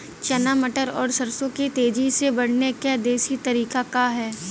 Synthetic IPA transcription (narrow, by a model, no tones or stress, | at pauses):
t͡ʃɐnaməʈəɾɔːɾsɐɾsõket̪eːd͡ʒisebɐɽ̤nekad̪eːʃit̪ɐɾiːkakaɦɛː